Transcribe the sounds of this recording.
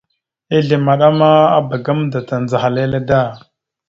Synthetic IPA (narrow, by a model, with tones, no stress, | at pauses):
e˦ɮe˨ma˨ɗa˦ma˦a̰˦ba˨ɡa˦mda˨ta˨nd͡za˨xa˨le˦le˦da˦˨